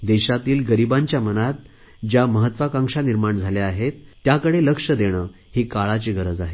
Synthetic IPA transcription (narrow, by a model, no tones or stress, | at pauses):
d̪eɕat̪iːlɡəɾibaɲt͡ɕjamənat̪̚ | d͡ʑjaməɦət̪ːʋakãŋʂaniɾmaɳd͡zʱaleaɦet̪ːjakəɽeləkʂəd̪eɽ̃əː | hiːkaɭat͡ɕiːɡʱəɾəd͡zaɦe